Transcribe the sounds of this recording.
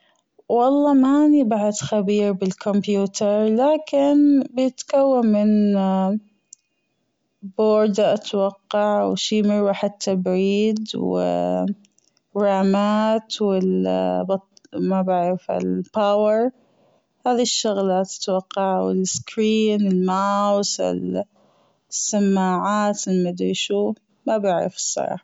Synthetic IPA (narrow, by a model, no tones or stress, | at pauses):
wɑlˤːɑːmaʔnibaʕad̪xabiːɾbɪlkʰɔmpjuːt̪ɑɾˤlaːkɪnbɪjɪt̪kawːanmɪn | boːɾd̪ʔat̪wɑqːɑʕwʃiːmɪɾwaħɪd̪̚t̪ʰːabʕiːd̪wɪ̰ | raːmaːt̪wɪlbɑt̪mabaʕɾɪfha̰lpawɑɾ | haːðiʃːʊɣlat̪ḁt̪wɑqːɑʕwɪ̰lskɾiːnɪlmawsɪ̰l | sːamːaːʕaːt̪mad̪iʃuː | mabaʕɾɪ̰fɨ̥sˤːɑ̰ɾˤɑ̰ːħɑ